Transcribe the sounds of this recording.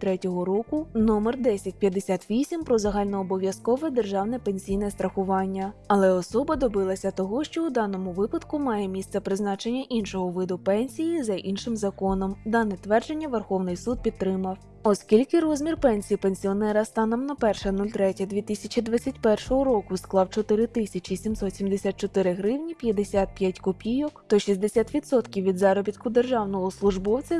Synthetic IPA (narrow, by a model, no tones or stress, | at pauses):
t̪ɾɛtʲɔɦɔɾɔkʊnɔmɛrd̪ɛsʲɐtʲpʲjɐd̪ːesʲat̪ʋʲisʲimpɾɔzɐɦɑlʲnɔːbɔʋʲjɐskɔʋɛd̪erʒɑwnɛpenʲsʲijnɛst̪ɾɐxʊʋɑnʲːɐɐlˠɛɔsɔbɐd̪ɔbɪlˠɐsʲɐt̪ɔɦɔʃt͡ʃɔud̪ɑnɔmʊʋɪpɐd̪kʊmɑjɛmʲist̪sɛpɾɪznɑt͡ʃe̞nʲːɐʔinʃɔɦɔʋɪd̪ʊpɛnʲsʲijizɐʔinʃɪmzɐkɔnɔmd̪ɑnɛt̪ʋɛrd͡ʒenʲːɐʋerxɔwnɪjsud̪̚pʲid̪ɾɪmɐw | ɔskʲilʲkɪɾɔzʲmʲirpɛnʲsʲijpenʲsʲiɔnɛɾɐst̪ɑnɔmnɐpɛrʃɛnulʲt̪ɾɛtʲɐd̪ʲʋʲit̪ɪsʲɐt͡ʃʲid̪ʋat͡sʲːɐtʲpɛrʃɔɦɔɾɔkʊsklˠɑwt͡ʃɔt̪ɪɾɪt̪ɪsʲɐt͡ʃisʲimsɔt̪sʲimd̪esʲat̪t͡ʃɔt̪ɪɾɪɦɾɪwnʲipʲjɐd̪esʲat̪̚pʲjatʲkʊpʲijɔkt̪ɔʃizʲd̪e̞sʲat̪ʋʲit̪sɔt̪kʲiwʋʲid̪zɑɾɔbʲit̪kʊd̪erʒɑwnɔɦɔslˠʊʒbɔwt͡sʲɐ